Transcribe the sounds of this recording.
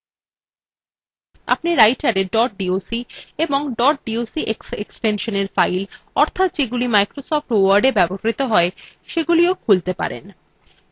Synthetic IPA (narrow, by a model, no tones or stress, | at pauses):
a̰pniɾajʈaɾeɖɔʈ̚ɖiosieboŋɖɔɾʈ̚ɖiosiʔeksḛksʈenʃoneɾfajl | ɔɾt̪ʰat̪d͡ʑeɡulimajkɾosɔfʈowaɾɖebɛboɾɾit̪oɦɔeʃeɡuliokʰult̪epa̰ɾḛn